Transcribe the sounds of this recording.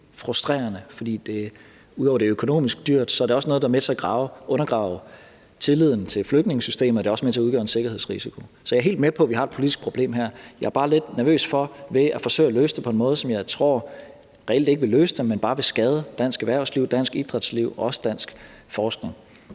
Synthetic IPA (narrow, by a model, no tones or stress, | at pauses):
fʁusd̥ʁḛːɐnəfɒ̽d̥ḭːd̥e̝ | uðˠɒʊɐd̥eøkʰo̝no̝̰ːmisɡ̥̚d̥yɐ̰d̥sɒ̽æɐɾ̥eɒ̽snɔ̽ːðˠd̥ɑɐmet͡sʰe̝æɡ̥ʁɑ̈ːʊʔɔ̽nɐɡ̥ʁɑ̰̈ʊ | t͡sʰe̝lið̰ˠn̩t͡sʰe̝lfløɡ̥̚ne̝ŋəsysd̥e̝̰ːmð̩ˠɒd̥e̝ɒ̽səmet͡sʰe̝ɐuð̞ˠɡɶ̰ːɐense̝ɡ̥ɐhe̝ð̰ˠsʁisikʰo̝sɒ̽jɑɐe̝̰ld̥mepʰɒ̽ʋihɑ̈e̝d̥̚pʰo̝lidisɡ̥̚pʰʁo̝b̥le̝̰ːmɦæɐ̰jɑ̈ɐb̥ɑ̈ːle̝d̥næɐʋø̰ːsfɒ̽ʋe̝ʔæfɒ̽sø̰ɪ̰æløːsd̥epʰɒe̝nmɔ̽ːð̞̩ˠsɒ̽mjɑ̈ɪt͡sʰʁo̝ɐ̰ | ʁɛel̰d̥e̝ɡ̥ʋe̝løːsəd̥emːenb̥ɑ̈ːʋe̝sɡ̥ɛːð̞ˠəd̥æn̰sɡ̥ʋæɐ̰sliʊ̰d̥æn̰sɡ̥id̥ʁɑd̥sliʊ̰ɒɒ̽sə̥d̥æn̰sɡ̥ | fɒːsɡ̥ne̝ŋ